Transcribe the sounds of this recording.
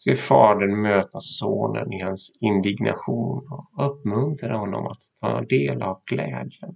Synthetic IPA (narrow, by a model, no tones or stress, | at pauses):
seːɾfɑːd̪əɳmøːt̪asoːnə̰nɪhansɪnd̪ɪɡnʔa̰ɧuːnɔɵpːmɵnt̪ɾad̪əhɔnːɔ̰mat̪ʰːɑːd̪eːlavkʰlɛːd̪jən